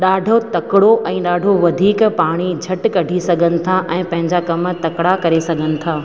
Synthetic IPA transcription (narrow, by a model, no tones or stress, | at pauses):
ɗaːɖʱot̪ɐkɪɽoʔɛ̃ːɗaːɖʱoʋɐd̪ʱiːkpaːɽ̃id͡ʑʱɐʈkɐɖʱisɐɡʱənɪ̆t̪ʰaʔɛ̃ːpɐ̃ɦɪ̃ɲd͡ʑakɐmt̪ɐkɽakɐɾesɐɡʱənɪ̆t̪ʰaː